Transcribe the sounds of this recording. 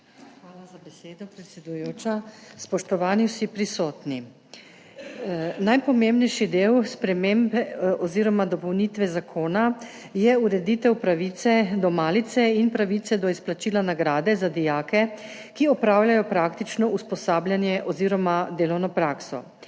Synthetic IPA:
xʋaːlazabɛseːd̪ɔpɾɛt̪sʲɛd̪ujoːt͡ʃaspɔʃt̪ɔʋaːniwsipɾisɔːt̪ni | najpɔmembnɛjʃid̪eːwspɾɛmembɔziːɾɔmad̪ɔpɔwnit̪ʋɛzakʰoːna | jɛuɾɛd̪iːt̪ɛwpɾaʋit̪sɛd̪ɔmaːlit̪sɛinpɾaʋit̪sɛd̪ɔisplat͡ʃiːlanaɡɾaːd̪ɛzad̪ijaːkɛ | kiɔpɾaːwljajɔpɾaːkt̪it͡ʃnɔʔuspɔsaːblʲjanjɛʔɔziːɾɔmad̪eːlɔwnɔpɾaːksɔ̰

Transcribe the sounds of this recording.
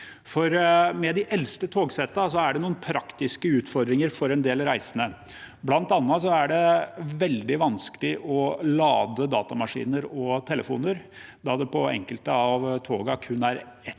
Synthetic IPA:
fɔɾmɛd̪ɪʔɛlst̪ət̪ʰoːɡsɛt̪ːɑs̬ɔæɖɛnuːənpʰɾɑkt̪ɪskəʉːt̪fɔɾd̪ɾɪŋəɾfɔɾɛnd̪eːlɾæɪsənə | blɑnt̪ɑnːɑs̬ɔæɖɛʋɛld̪ɪʋɑnskəlɪʔɔlɑ̰ːd̪əd̪ɑ̰ːt̪ɑmɑʂḭːnəɾɔt̪ʰɛləfṵːnəɾ | d̪ɑd̪ɛpʰɔɛ̰ŋkəlt̪əɑʋt̪ʰoːɡɑkʰʉnːæɾɛt̪

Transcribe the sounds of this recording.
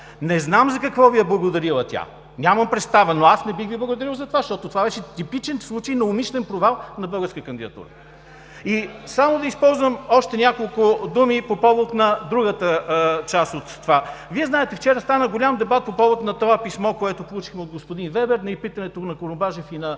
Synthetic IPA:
nɛznamzɐkɐkvɔviɛblˠɐɡod̪ɐɾilˠət̪ʲa̰ | nʲamɐmpɾɛt̪st̪avənoasnɛbixviblˠɐɡʊd̪ɐɾilˠzɐt̪ovaʃt̪ɔt̪ot̪ovavɛʃɛt̪ipit͡ʃɛnslˠut͡ʃəjnɐʊmiʃlɛnpɾovalˠnɐbɤlˠɡəɾskəkɐnd̪id̪ɐt̪ṵɾə̰ | isamod̪ɐispɔlˠzvəmɔʃt̪ɛnʲakolˠkʊd̪umipopɔvot̪nɐd̪ɾuɡət̪ət͡ʃasot̪ːovaviɛznaɛt̪ɛft͡ʃɛɾəst̪anəɡolʲamd̪ɛbat̪̚popɔvot̪nɐt̪oapismɔkoɛt̪opolˠut͡ʃixmɛod̪̚ɡospʊd̪invɛbɛɾnɐipit̪ɐnɛt̪onɐkoɾʊmbaʒɛfinɐ

